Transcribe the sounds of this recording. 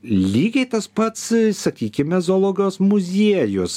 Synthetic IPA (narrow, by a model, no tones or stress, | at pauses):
lʲiːɡʲɛɪt̪ɐspɐt̪ssɐkʲiːkʲɪmɛzoːlˠoːɡoːsmʊzʲiɛjʊs